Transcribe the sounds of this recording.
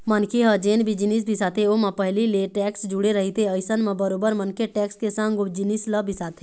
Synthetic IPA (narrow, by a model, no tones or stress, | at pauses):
mənkʰeɦɐd͡ʒeːnbʱid͡ʒɪnis̬bʱɪsaːt̪ʰeoːmɐ̃pɐɦlileːʈɛːksd͡ʒʊɽeɾɐɦit̪ʰeəɪsənmɐ̃bəɾoːbəɾmɐnkeʈɛːkskesãŋɡod͡ʒɪnisləbʱisaːt̪ʰe